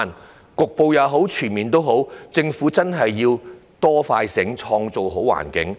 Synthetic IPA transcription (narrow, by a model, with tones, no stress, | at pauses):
n | kʊ˨k̚po˨wjɐ˨˧wɦo˨˥wt͡ʃʰyː˨˩nmiː˨˩nt̪o˥wɦo˨˥wt͡sɪ˧ŋfuː˨˥t͡sɐ˥nɦɐ˨jːiː˧wt̪ɔː˥faː˧jsɪ˨˥ŋt͡ʃʰɔː˧ŋt͡so˨wɦo˨˥wa̰ː˨˩nkɪ̰˨˥ŋ